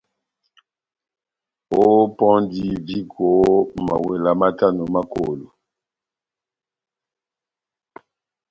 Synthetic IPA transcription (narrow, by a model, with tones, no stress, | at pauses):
o˦pɔ̃˦ndi˦vi˦ɡo˨˦ma̰˨we˨la˨ma˦ta˦no˨ma˦ko̰˨lo˨